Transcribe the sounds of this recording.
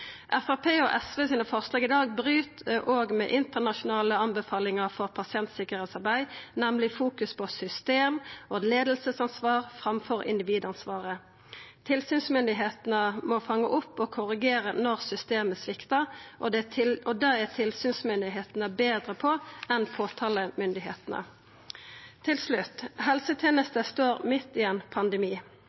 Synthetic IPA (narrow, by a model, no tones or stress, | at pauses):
ʔæfɑpʰeːɔʔɛsʋeːsiːnəfɔʁslɑːɡɪd̪ɑːɡbʁyːt̪ʔoːɡmɛ̰ʔɪnt̪əʁnɑʃʊnɑːləɑnbəfɑːlɪŋəʁfɔʁpʰɑsɪɛnt̪sɪkəʁeːt̪sɑʁbæɪnɛmlɪfuːkʉspʰɔsʏst̪eːmɔd̪leːd̪əl̩səsɑnsʋɑːʁfʁɑmfɔʁɪ̰nd̪ɪʋiːd̪ɑnsʋɑːʁə | t̪ʰɪlsyːnsmʏnd̪ɪɦeːt̪nəmɔfɑŋːəʔʊpːɔkʰʊʁɪɡeːʁənɔʁsʏst̪eːməsʋɪkt̪əʔɔd̪ɔd̪ɑːæʁt̪ʰɪlsyːnsmʏnd̪ɪɦeːt̪nəbeːd̪ʁəpʰɔɛnpʰoːt̪ʰɑːləmʏnd̪ɪɦḛːt̪ənə̰ | ɪlslʉt̪ːɦɛlsət̪ʰjeːnəst̪əst̪oːʁmɪt̪ːiɛnpʰɑnd̪əmiː